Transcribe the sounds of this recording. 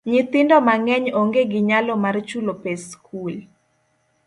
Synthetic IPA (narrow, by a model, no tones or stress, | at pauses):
ɲɪt̪ɪndɔmaŋɛɲoŋɡeɡɪɲalɔmart͡ʃulopeskʰul